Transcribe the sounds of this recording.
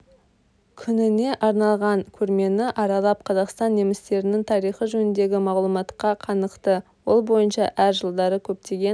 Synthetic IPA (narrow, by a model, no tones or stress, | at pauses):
kʲʰʏnɪne̞ʔɑɾnɑlˠʁɑŋkʲʰɵɾme̞nɪʔɑɾɑlˠɑp̚qʰɑzɑqst̪ɑnːe̞mɪst̪e̞ɾɪnɪŋt̪ʰɑɾijχəʒɵnɪnd̪e̞ɡʲɪmɑʁlˠumɑt̪qɑqʰɑnəqt̪əwolˠbo̞jənʃɑʔæɾʒəlˠd̪ɑɾəkʲʰɵp̚t̪e̞ɡʲe̞n